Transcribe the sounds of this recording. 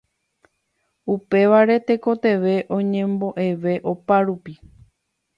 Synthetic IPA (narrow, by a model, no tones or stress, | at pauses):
upe̞ʋaɾe̞t̪e̞ko̞t̪e̞ʋe̞ʔõ̞ɲẽ̞mbo̞ʔe̞ʋe̞ʔo̞paɾupi